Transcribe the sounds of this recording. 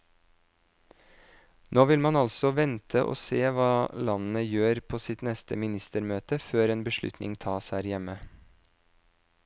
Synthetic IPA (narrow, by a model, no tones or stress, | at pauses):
noːʋɪlmɑnɑlsɔʋɛnt̪ʰəʔo̰ːseːʋɑːlɑnn̩əjøːɾpʰoːsɪt̪nɛst̪əmɪnɪst̪əɾmøːt̪əføːɾeːnbəʃɭʉ̰t̪nʔɪ̰ŋt̪ʰɑːshæːɾjɛmə